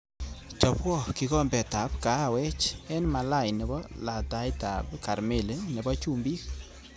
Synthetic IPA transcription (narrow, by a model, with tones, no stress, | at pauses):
t͡ʃɔ˨pwɔ˦˨ki˨kɔ˦mbɛ˨ta˨pka˨a˨wɛ˦t͡ʃɛ˦nma˨la˦˨jnɛ˨bɔ˦la˨ta˨˦jta˨bka˨ɾme˦˨le˨nɛ˨bɔ˦t͡ʃu˦mbi˦k̚